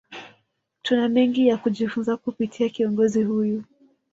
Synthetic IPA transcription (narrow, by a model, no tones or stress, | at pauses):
tunamɛŋɡijakuʄifunzakupitʰiakiɔŋɡɔzihuju